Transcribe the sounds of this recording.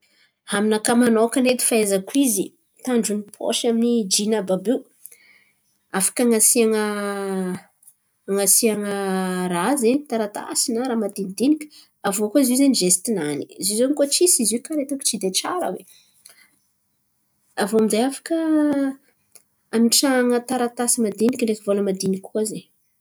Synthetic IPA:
haminakamanokanet̪i̥faezakuizi | t̪aɳɖ͡ʐunipʰo̰ʃaminid͡ʒinababe | afḁkaŋasiaŋə | ŋasiaŋərazenit̪aɾat̪a̰sinəɾamat̪ind̪inikʲə̥ | avoakoizizeniʒest̪inanizizonikot͡sisizukaɾet̪uki̥t͡ʃid̪eʈ͡ʂaɾə̰wḛ | avoamizeafḁkə | amiʈ͡ʂaŋət̪aɾat̪asimad̪inikʲəɳɖ͡ʐefivoləmad̪inikʲkuaze

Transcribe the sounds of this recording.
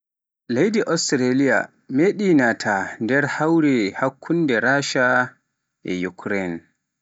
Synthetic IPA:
lejdiʔɔstɾelija̰ | meɗinatʰandɛɾhawɾɛhakʰːundɛɾaʃa | ʔɛ̰jukʰɾɛn

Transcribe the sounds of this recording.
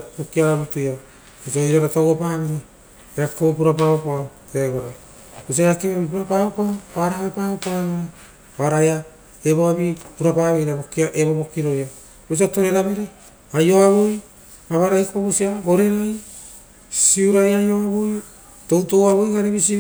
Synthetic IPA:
pokiaɾaβutuja | isoiɾaɾatowopaβeɾe | eɾakoβopuɾapaβopateɡoɾaj | bus̬iaɾakeβeɾβip̬uɾapaβopaaɾaβepaβopaaβeɾa | βaɾaja | eβoaβipuɾapaβejɾabokiaʔeβoβo̞kiɾo̞ja | bus̬iato̞ɾeɾameɾe | ajo̞aβoj | baβaɾajkopaβusiaɡo̞ɾe̞ɾaj | siuɾajajoaβoj | to̞wtowaβojɡaɾeβisi

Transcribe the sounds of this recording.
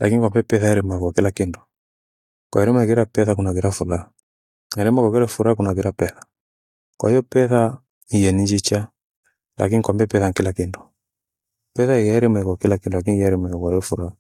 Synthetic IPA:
lakinikwambɛpɛθaɛɾɛmɛkɔkilakindɔ̥ | kwa̰iɾɛmaɛkɛɾapɛθakunaɣiɾafula | nɛɾɛmɛkɔkɛɾɛfuɾakunaɣiɾapɛθḁ | kwa̰ijɔpɛθa | ijɛnid͡ʒit͡ʃa | lʔa̰k̬inikwambɛpɛθankilakindɔ̥ | pɛθaijaɛɾɛmɛkɔkilakindɔlak̬inijaɾɛmɛkaiɔfuɾa

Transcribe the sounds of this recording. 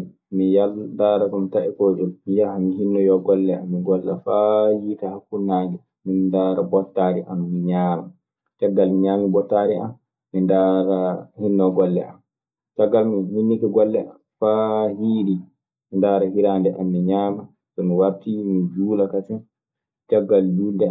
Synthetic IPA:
mijalndaːɾakɔmitaʔɛkoːd͡ʒɔlmijahamiɦinːɔjɔɡɔlːɛamːiɡɔlːafajiːtahakːunːaːɡɛ | mindaɾabɔtːaːɾiʔamːiɲaːma | t͡ʃaɡːalmiɲaːmibɔtːaɾiʔa̰nː | indaɾahinːɔɡɔlːɛ̰ʔam | t͡ʃaɡːalmihinːikɛɡɔlːɛʔamfahiːɗi | mindaːɾahiɾandɛʔamːiɲaːma | sɔmiwatimid͡ʒuːlakat͡ʃɛn | t͡ʃaɡːald͡ʒundɛ

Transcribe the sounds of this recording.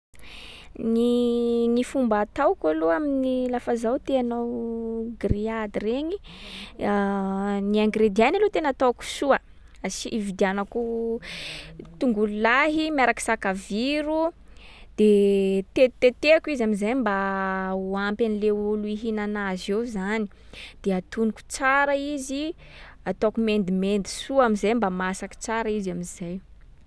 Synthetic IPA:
ninifumbat̪awkaluaminilafazawt̪eanawɡriad̪ireɲi | niaŋɡɾed̪ianalot̪enat̪owku̥suə | asiʔivid̪ianaku | t̪uŋɡululaɦimiaɾaki̥sakaviɾu | d̪̥et̪et̪et̪eakwizamizajmbauampanileuluiɦinanazewzani̥ | d̪̥eat̪uniku̥t͡saɾaizi | at̪okumend̪imend̪i̥suamizajmbamasaki̥t͡saɾaizamizaj

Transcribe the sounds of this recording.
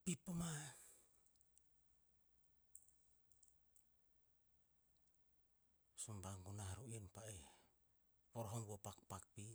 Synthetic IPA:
pipːoma | sumbaŋɡunahaɾuinpae | βoɾɦoŋɡopak̚pak̚pi

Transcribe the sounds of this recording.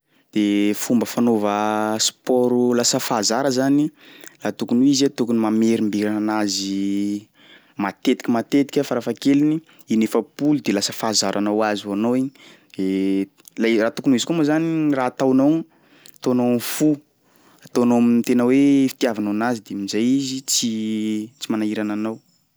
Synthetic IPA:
d̪̥efumbəfanovəspɔɾulasəfazaɾəzanilat̪ukunuizat̪ukunimameɾimbiɾananazi | mat̪et̪i̥kʲimat̪et̪i̥kʲafaɾafakelini | inefəpulud̪elasə̥fazaɾʔanawazianowiɲi | d̪e | laraːt̪ukunuizikumozanirat̪awnow | t̪onomfu | at̪onomint̪enəwefi̥t̪iavananazid̪emizajizit͡sit͡simanaiɾananaw

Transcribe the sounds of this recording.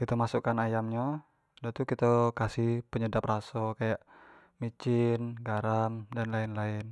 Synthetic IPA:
kit̪əmasukanajamɲa | dat̪ukit̪əkasɪhpəɲədap̚rasokajaʔ | mit͡ʃɪnɡaɾamdanlaɪnlaɪn

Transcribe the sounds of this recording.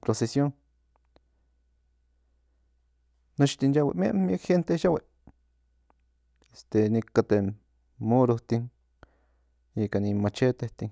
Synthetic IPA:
pɾosesjoŋ | not͡ʃt̪ind͡ʒawḛʔmjeʔmjekhent̪eʃaweʔ | est̪enikat̪e | moɾost̪iŋ | ikanimat͡ʃet̪eht̪iŋ

